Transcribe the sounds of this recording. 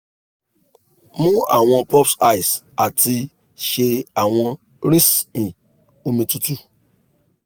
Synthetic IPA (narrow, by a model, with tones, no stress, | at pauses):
mũ˦a̰˨w̃ɔ̃˧pɔ˦psa˦i˨s | a˨ti˧ | ʃe˧a˨w̃ɔ̃˧ | ɾi˦sĩ˨ | o˧mĩ˧tu˦tu˦